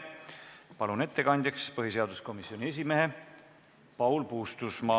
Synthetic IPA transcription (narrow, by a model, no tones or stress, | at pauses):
pɑlune̞t̪ːe̞kɑnʲd̪̥ʲɑkspɤɦise̞ɑd̪usko̞misːio̞nʲie̞s̬ʲimeɦe | pɑwlpuːst̪usmɑː